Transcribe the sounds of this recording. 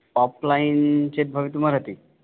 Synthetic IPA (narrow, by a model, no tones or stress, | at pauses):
pɔplaint͡ɕet̪̚bʱəʋit̪məɾɦət̪iː